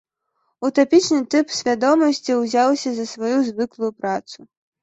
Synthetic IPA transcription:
ut̪ɔpʲit͡ʂnɨt̪ɨpsʲvʲad̪ɔmɐsʲt͡sʲiwzʲawsʲɐzɐsvajuzvɨklˠujupɾat̪su

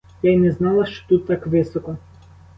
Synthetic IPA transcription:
jajnɛznalˠɐʃt͡ʃɔ̥t̪ut̪ːakʋɪsɔkɔ

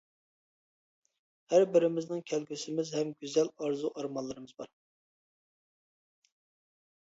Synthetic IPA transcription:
hæɾbɪɾɪmɪznɪŋkʲʰɛlɡʲysɪmɪzɦɛmɡʲyzɛlɑɾzuʔɑɾmɑllˠɨɾɨmɨzbɑɾ

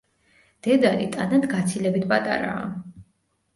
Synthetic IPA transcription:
d̪̥ɛd̪aɾit̪ʼanad̪ɡat̪sʰilɛbit̪ʰpʼat̪ʼa̰ɾa̰ː

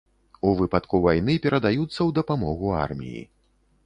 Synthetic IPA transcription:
uvɨpat̪kuvajnɨpʲɛɾɐd̪ajut̪sːɐwd̪ɐpamɔɣua̰rmʲḭjḭ

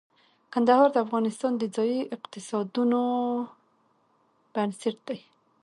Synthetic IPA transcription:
kand̪ahɑɾd̪əafɣɑnɪst̪ɑnd̪əd͡zɑjiʔɪqt̪ɪsɑd̪uno | b̥ansɪʈ̚d̪aj

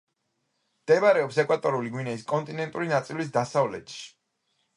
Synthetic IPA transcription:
md̪̥ɛbaɾɛɔpsɛkʼwat̪ʼɔɾuliɡwinɛiskʼɔnt̪ʼinɛnt̪ʼuɾinat̪sʼilis̬d̪asavlɛ̰t̪ʃi̥

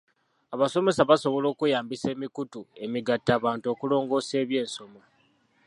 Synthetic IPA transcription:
aβaso̞me̞saβaso̞βo̞lo̞ːkujaːmbise̞ːmikutue̞miɡatːaːβaːnto̞ːkulo̞ːŋɡo̞ːse̞ːβje̞ːnso̞mo

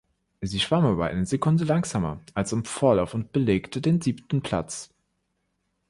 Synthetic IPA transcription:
ziːʃv̥amaːbɐ̰ʔa̰ɪnəzekʰʊndəlaŋz̥aːmɐ̰ʔalsɪmfoːɐlaʊfʊnt̚b̥əleːktʰədeːnziːptn̩pʰl̥a̰t͡s

